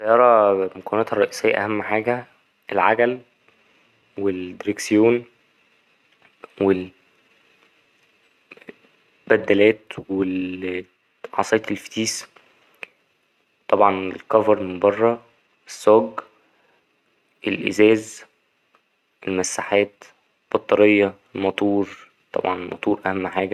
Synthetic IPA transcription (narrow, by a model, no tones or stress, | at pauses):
sæjɑːɾˤɑmokænæːt̪hɑrˤːɑʔiːsejːæʔæ̰hæmːħaːɡæ | ʔelʕaɡæl | weld̪eɾeksejoːn | wel | bæd̪ːælæːt̪wel | ʕɑ̰sˤeːt̪elft̪iːs | t̪ˤɑbʕɑnḛlkɑvɑɾˤmmbɑrˤːɑ | esːoːɡ | ʔelʔḛzæːz | ʔelmæsːaħæːt̪ | lb̥ɑt̪ˤːɑɾejːɑ | lmɑt̪ˤuːɾ | t̪ˤɑ̰bʕɑnmʔɑ̰t̪ˤuːɾʔæhæmːħaːɡæ